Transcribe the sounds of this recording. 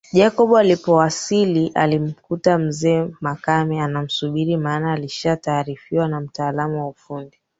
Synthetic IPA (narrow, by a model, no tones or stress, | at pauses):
ʄakɔɓualipɔwasiliʔa̰lim̩kutam̩zɛːmakamɛanam̩suɓiɾimaːnaːliʃataːɾifiwanam̩taːlamuwaufundi